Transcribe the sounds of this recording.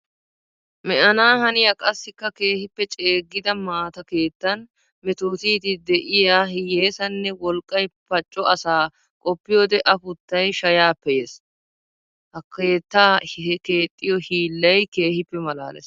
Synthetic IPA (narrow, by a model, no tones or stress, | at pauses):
mɛʔɐnaːhɐnɪjɐkʼɐsːɪkːɐke̞ːhɪpːɛt͡ʃʼe̞ːɡːɪd̪ɐmaːt̪ɐke̞ːt̪ːɐn | mɛt̪oːt̪iːt̪ɪd̪ɛʔɪjaːhjeːsɐnːɛwɔlkʼːɐjpɐt͡ʃʼːɔʔɐsaː | kʼɔpːɪjoːd̪ɛʔɐpʊt̪ːɐjʃɐjaːpːɛjes | hɐkeːt̪ːaːɛke̞ːt̪ʼːɪjɔhiːlːɐjke̞ːhɪpːɛmɐla̰ːlɛ̰s